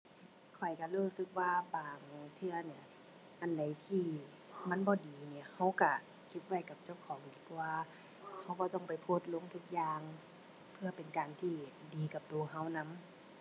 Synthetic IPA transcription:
kʰɔ˨˩jka˧luː˧˩˨sɯ˧˦k̚waː˧baː˨ŋt̪ʰɯ˧ɐni˧ɐ˨ | ʔa˧˨nda˨˩jt̪ʰiː˧˩ | ma˧˥˨nbɔː˧˦diː˨ni˧˩˨ha˧˥˩wka˧˩ | kʰi˧˥p̪̚wa˧˩jka˧˦˩p̚t͡ɕa˧˩˨wkʰɔː˨˦ŋʔiː˨˩k̚pʰɔ˧waː˧ | ha˧˥wbɔː˧˦t̪ɔ˧˩˨ŋpa˨˩jpʰoː˧˩t̪̚lo˧˥˨ŋt̪ʰu˧k̚jaː˧ŋ | pʰɯ˧ɐpe˨nkaː˨˩nt̪ʰiː˧˩diː˨˩ka˧˦p̚t̪o˨˩˨ɦa˧˥˩wna˧˥˨m

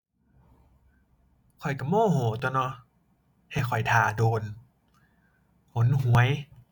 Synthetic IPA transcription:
kʰɔ˨˩jka˨˩moː˥˨hoː˨˩˦t̪ːnɔ˧˦ | ha˧˩jkʰɔ˨˩jt̪ʰaː˨˩doː˨n | ho˨˦nɦu˨˦əj

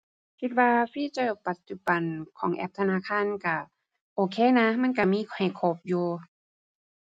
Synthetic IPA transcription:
kʰi˧t̪̚waː˧fiː˧˥˨t͡ɕa˧˩pa˨˩t̪̚t͡ɕu˧ba˨nkʰɔː˨˦ŋʔɛ̰˧˦p̚t̪ʰa˧naː˧˥˨kʰaː˧˥˨nka˧˩ | ʔoː˧˩kʰeː˧˥˨na˧˥ma˧˥˨nk̬a˧˩miː˧˥˨ha˨˩jkʰoː˧˩p̚juː˧

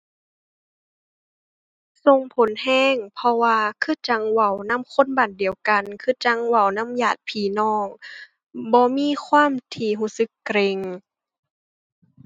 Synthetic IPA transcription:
so˧ŋpʰo˨˦nhɛː˧˥˨ŋpʰɔ˧waː˧kʰɯː˧˥˨t͡ɕa˧˦ŋwa˧˩wna˧˥˨mkʰo˧˥˨nbaː˨˩ndi˨əwka˨nkʰɯː˧˥˩t͡ɕa˧˦ŋwa˧˩wna˧˥˨mjaː˧˩t̪̚pʰiː˨˩nɔː˧˩ŋ | bɔː˧˦miː˧˥˨kʰwaː˧˥˨mt̪ʰiː˧˩ɦuː˧˩˨sɯ˧˦kːɾe˧ŋ

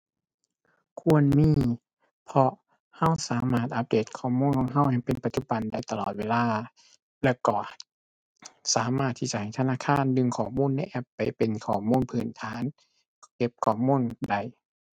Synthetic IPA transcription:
kʰu˧˥˨ənmiː˧˥˨ | pʰɔ˧ | ha˧˥˨wsaː˨˦maː˧˩t̪̚ʔa˧˥p̚deː˧˩t̪̚kʰɔː˧˩muː˧˥˨nkʰɔː˨˦ŋɦa˧˩wha˧˨˩jpe˨npa˧t̪̚t͡ɕu˧˩ba˨nda˧˩jt̪a˧lɔ̰ː˨˩t̪̚weː˧laː˧˩ | lɛː˧˩wkɔː˧˩ | saː˨˦maː˧˩t̪ʰːi˧˩t͡ɕa˧ha˨˩jt̪ʰa˧naː˧˥˨kʰaː˧˥˨ndɯ˧ŋkʰɔː˨˩muː˧˥˨nːa˧˥˨jʔɛ˧˩pːa˨˩jpe˨nkʰɔː˨˩muː˧˥˨npʰɯː˨˩nt̪ʰaː˨˦n | ke˧˥p̚kʰɔː˧˩muː˧˥˨nda˧˩j

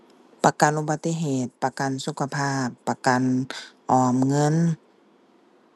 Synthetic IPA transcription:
pa˧ka˨nʔu˧ba˧t̪ːi˧˨ɦeː˨˩t̪̚pa˧ka˨nsu˧kʰa˧pʰaː˥˩pːa˧ka˨nʔɔː˨˩mŋɤ˧˥˨n

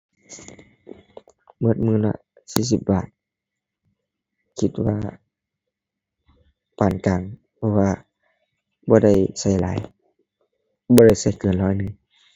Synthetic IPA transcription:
bo˧˩˦t̪̚mɯː˧˥˨na̰˧ | siː˧˩si˧˦p̚baː˧˩t̪̚ | kʰi˧t̪̚wa̰ː˧ | paː˨˩nkaː˨˩ŋ | pʰɔ˧waː˧ | bɔː˧˦ɾa˥˩jsa˧˩jla̰ː˨˦j | bɔː˧˦ɾa˥˩jsa˧˩jkɤː˨˩nlɔː˧˩jnɯ˧˨ŋ

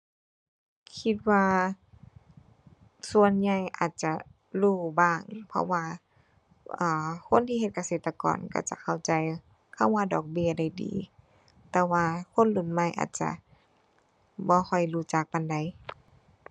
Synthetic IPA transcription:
kʰi˧t̪̚waː˧ | su˧ə˨nɲa˧˩jʔa̰ː˨˩t̪̚t͡ɕa˧˩ | luː˧˩baː˧˩ŋpʰɔ̰˧waː˧ | ʔɤː˨˩kʰo˧˥˨nt̪ʰiː˧he˧t̪̚ka˧seː˨˩t̪ːa˧kɔ̰ː˨˩˨nka̰˧˩t͡ɕa̰˧˩kʰa˧˩wt͡ɕa˨j | kʰa˧˩˨wːaː˧dɔː˨˩k̚bi˧˨əda˧˩jdḭː˨˦ | t̪ɛː˧waː˧kʰo˧˥˨nlu˧˩˨nma˧˩˨jʔa̰ː˨˩t̪̚t͡ɕa̰˧˨ | bɔː˧˦xʰɔ˧˩jluː˧˩t͡ɕaː˨˩k̚pa˧˨nda˧˩j

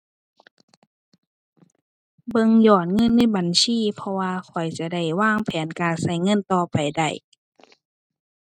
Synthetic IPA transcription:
bɤ˧ŋjɔː˧˩n̚ŋɤ˧˥˨nːa˧˥˨jba˨nsiː˧˥˨pʰɔ˧waː˧kʰɔ˨˩jt͡ɕa˧˦da˧˩jwaː˧˥˩ŋpʰɛː˨˦nkaː˨nsa˧˩jŋɤ˧˥˨nt̪ɔː˧pa˨jda̰˧˩j

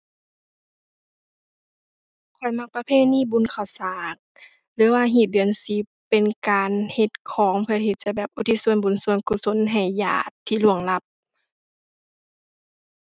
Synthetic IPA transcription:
kʰɔ˧˩jma˧˩k̚pa˧pʰeː˧˥˨niː˧˥˨bu˨˧˦nkʰa˨˩wsaː˨˩˦k̚ | lɯː˨˦waː˧ɦi˧˩t̪̚dɯ˨ənsi˧˦ppe˨nkaː˨nhe˧˦t̪̚kʰɔː˨˦ŋpʰɯ˧ɐhe˧t̪̚t͡ɕa˧˩bɛː˨˩p̚ʔu˧˦t̪ʰi˧˥su˧ənbu˨˦nsu˧ənku˧so˧˥˨nɦa˨˩jja̰ː˧˩t̪ʰːiː˧lu˧˩əŋla˧˦p̚

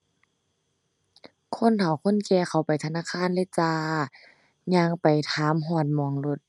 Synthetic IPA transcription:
kʰo˧˥˨nt̪ʰa˨˩wkʰo˧˥˨nkɛː˧˩xa˨˩wpa˨˩jt̪ʰa˧naː˧˥˨kʰaː˧˥˨nle˧˥˨t͡ɕaː˧ | ɲaː˧˥ŋpa˨˩jt̪ʰaː˨˦mɦɔ˧˩ət̪̚mɔ˧˨˩ŋlo˧˦t̪̚

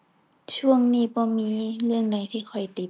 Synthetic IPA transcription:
t͡ɕʰu˥˩əŋniː˧˩bɔː˧˦miː˧lɯ˥˩əŋda˧jt̪ʰiː˥˩kʰɔ˨˩jt̪i˨˩

